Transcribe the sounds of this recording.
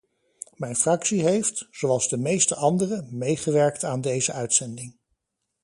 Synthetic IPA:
mɛjnfrɑksiɦejftz̥owɑlˠzdəmejstəʔɑndərəmejχəʋɛɹktaːndejzəœɥtsɛndɪŋ

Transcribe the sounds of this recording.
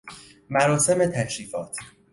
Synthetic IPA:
mæɾɒːse̞me̞t̪ʰækʃiːfɒ̰ːt̪ʰ

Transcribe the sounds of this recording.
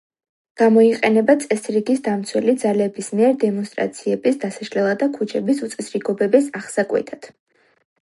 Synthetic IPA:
ɡ̥amɔiqʼɛnɛbat̪sʼɛsɾiɡisd̪amt̪sʰwɛlid̪zalɛbismiɛɾd̪ɛmɔnst̪ʼɾa̰t̪sʰiɛbisd̪asaʃlɛlˠad̪akʰut͡ʃʰɛbisut̪sʼɛsɾiɡɔbɛbisaχsakʼwɛ̰t̪ʰad̪̥

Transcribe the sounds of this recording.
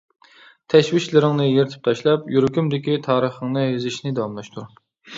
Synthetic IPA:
t̪ʰɛʃwit͡ʃlɪɾɪŋnɨjeɾt̪ʰɪ̥p̚t̪ʰɑʃlˠɑpjyɾkʲymd̪ɪkʲit̪ʰɑːɾəχəŋnɨɦezɪʃnɪd̪ɑwɑmlˠɑʃt̪ʰuɾ

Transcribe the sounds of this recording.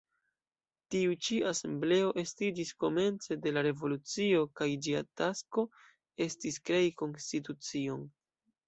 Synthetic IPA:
tiut͡ʃiase̞mble̞o̞ʔe̞stid͡ʒisko̞me̞nt͡se̞de̞laɾe̞vo̞lut͡sio̞kajd͡ʒia̰tasko̞ | e̞stiskɾe̞jiko̞nstit̬ut͡sio̞n

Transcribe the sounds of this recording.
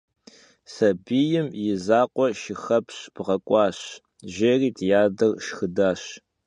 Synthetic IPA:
sɐbiːjɪmjɪzaːqʷʼɔʃɪxɐpɕpʁɐkʷʼɑːɕ | ʒɐriːtʰjaːdɐrʃxɨdaːɕ

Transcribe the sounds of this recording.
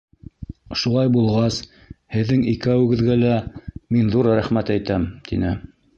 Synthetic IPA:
ʃulˠɑjbulˠʁɑs | hɘ̆ðːɘŋikæwɘ̆ɡɘ̆ðɡælæminðuɾɾæχmæt̪æjt̪æmt̪ʰḭnɘ

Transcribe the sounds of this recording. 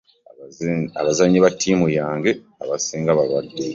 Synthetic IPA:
a̰βazaɲːiβatʰːiːmujaːŋɡe̞ | aβasiːŋɡaβalwadːe

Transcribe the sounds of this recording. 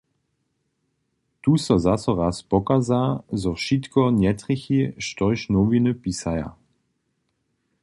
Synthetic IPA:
t̪usɔzasɔʁaspɔkazaːzɔʃit̪kɔnjɛt̪ʁiçiʃt̪ɔjʃnɔvinɨpisaja̰

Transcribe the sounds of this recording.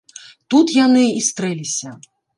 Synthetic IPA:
t̪ut̪janɨist̪ɾɛlʲisʲɐ

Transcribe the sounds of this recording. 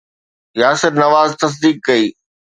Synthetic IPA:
jaːsɪɾnɐʋaːzt̪ɐs̬d̪iːkkɐiː

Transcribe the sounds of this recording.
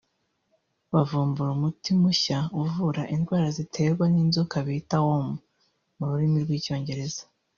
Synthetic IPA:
βavuːmbuɾumutimuçauvuɾaʔinɡwaːɾazitʰe̞ːɾɡwaniːnzokaβitawomu | muɾuɾimiɾɡwiːco̞ːɲɟe̞ɾe̞z̥ḁ

